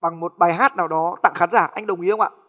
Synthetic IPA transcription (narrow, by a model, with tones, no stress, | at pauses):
ɓa˨˩ŋmo˨˩t̚ɓaː˨˩jɦaː˦˥t̚naː˨˩wɗɔ˨˦t̪a̰ː˧˨ŋxaː˨˦nzaː˧˩ʔa˧jŋ̟ɗə˨˩wŋ͡mʔi˨˦ə˧wŋ͡mʔa̰ː˧˨